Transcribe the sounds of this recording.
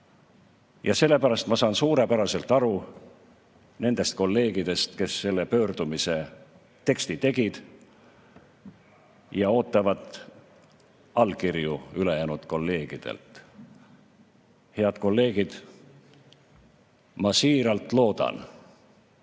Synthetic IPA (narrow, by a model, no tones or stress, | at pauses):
jɑse̞lːe̞pæɾɑst̪mɑsɑːnsuːɾe̞pæɾɑse̞lt̪ˑɑɾu | ne̞nd̪̥e̞st̪̚ko̞lːe̞ːɡ̥id̪e̞st̪ke̞sːe̞lːe̞pø̞ːrd̪̥umise̞ | t̪e̞kst̪it̪e̞ɡ̥id̪̥ | jɑo̞ːt̪ːˑɑvɑd̪ | ɑlkirjuyle̞jæːnud̪̥ko̞lːe̞ːɡ̥id̪̥ḛlt̪ | he̞ɑd̪̥ko̞lːe̞ːɡ̥id̪̥ | mɑsiːɾɑlt̪lo̞ːd̪̥ɑ̰n